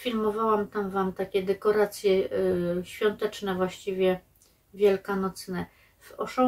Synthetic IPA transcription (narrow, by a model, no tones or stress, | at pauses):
fʲilmɔvawamt̪amvamt̪akʲɛd̪ɛkɔɾat̪sʲjɛɕfʲjɔnt̪ɛt͡ʂnɛvwaɕt͡ɕivʲjɛ | vʲjɛlkanɔt̪snɛ | vɔʂɔ